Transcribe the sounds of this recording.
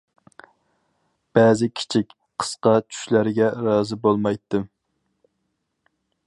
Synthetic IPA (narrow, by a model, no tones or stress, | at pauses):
b̥ɛːzɪkʲʰi̥t͡ʃʰikʲ | qʰə̥sqɑt͡ʃʰy̥ʃlæɾɪɡʲɛɾɑːzɨbolˠmɑjt̪ːɨm